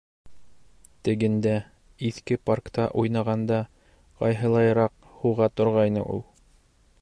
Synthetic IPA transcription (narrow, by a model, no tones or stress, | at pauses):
t̪ɘ̆ɡɘ̆nd̪æ | iθkɘparkt̪ɑʔujnɑʁɑnd̪ɑ | qɑ̰jɦɤ̆lˠɑjɤ̆ɾɑq | huʁɑt̪ŏɾʁɑjnɤ̰ʔṵlˠ